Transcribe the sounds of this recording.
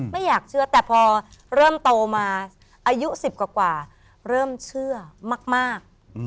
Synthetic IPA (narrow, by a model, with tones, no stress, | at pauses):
ma˥˩jːaː˨˩k̚t͡ɕʰɯ˥˩ɐt̪ɛː˨˩pʰɔː˧ɾɤː˥˩mt̪oː˧maː˧ | ʔaː˧ju˦˥ʔsi˨˩p̚kwaː˨˩kwaː˨˩ | ɾɤː˥˩mt͡ɕʰɯ˥˩ɐmaː˥˩k̚maː˥˩k̚